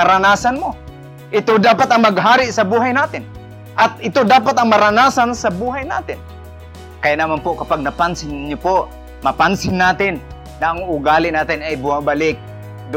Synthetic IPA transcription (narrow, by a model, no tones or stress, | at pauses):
aɾanaːsanmo | ʔɪt̪od̪aːpat̪aŋmaɡɦaːɾɪʔsabuːɦajnaːt̪ɪn | ʔat̪̚ɪt̪od̪aːpat̪aŋmɐɾanaːsansabuːɦajna̰ːt̪ɪn | kajanamanpʊʔkapaɡ̚nɐpansɪnɲʊpoʔ | mɐpansɪnːaːt̪ɪnː | aʔaŋʊɡalɪʔnaːt̪ɪnajbʊhabalɪk̚ | d̪ʊ